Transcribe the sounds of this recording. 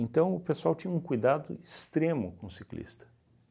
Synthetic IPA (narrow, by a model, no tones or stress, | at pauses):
ẽnt̪ɐ̃w̃ʊpesuawt͡ʃĩɲɐũkujd̪ad̪ʊ̰ist̪ɾẽmʊkõʊsiklḭst̪ɐ̥